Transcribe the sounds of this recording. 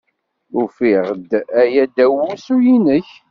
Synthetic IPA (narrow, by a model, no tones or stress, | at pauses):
ufiʁd̪æjæd̪æwːusujinəç